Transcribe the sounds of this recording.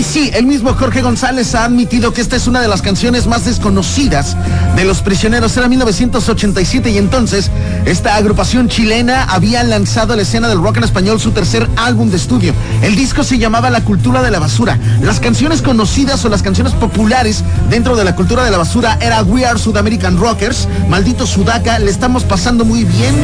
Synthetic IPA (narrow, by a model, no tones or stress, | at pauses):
sie̞lmizmo̞xo̞ɾxe̞ɣo̞nsale̞saːðmit̪iðo̞kee̞s̬t̪ae̞sunað̞elaskansjo̞ne̞zmazðe̞sko̞no̞siðaz̥ | ðe̞lo̞spɾisjo̞ne̞ɾo̞se̞ɾamilno̞β̞e̞sje̞nt̪oso̞t͡ʃe̞nt̪ajsje̞t̪e̞ie̞nt̪o̞nse̞s | e̞st̪aːɣɾupasjo̞nt͡ʃile̞naʔaβialansaðolaese̞naðe̞lrokane̞s̬paɲo̞lsut̪e̞ɾse̞ɾalβumd̪eːst̪uðjo̞ | e̞ld̪isko̞se̞ʝamaβalakult̪uɾað̞e̞laβasuɾalaskansjo̞ne̞sko̞no̞siðaso̞laskansjone̞spo̞pulaɾe̞z | ðe̞nt̪ɾo̞ð̞e̞lakult̪uɾað̞e̞laβ̞asuɾaʔe̞ɾaɣwiaɾsuðame̞ɾikanrokeɾs | mald̪it̪o̞suðakaleːst̪aβamo̞spasand̪o̞mujβje̞n